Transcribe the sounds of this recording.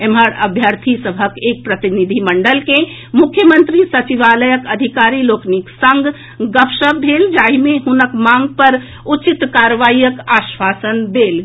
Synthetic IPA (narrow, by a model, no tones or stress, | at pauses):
eməɾə̰bʱjəɾt̪ʰisəbʱəkek̚pɾət̪inid̪ʱiməɳɖəlke | mukʰjəmənt̪ɾisət͡ʃiʋaləjəkəd̪ʱikaɾilokniksəŋɡ | ɡəpʰʃəbd̪ʱeld͡ʒaimeɦunəkmãŋɡ̚pəɾ | ut͡ʃit̪kaɾʋaijəkasʋasənd̪el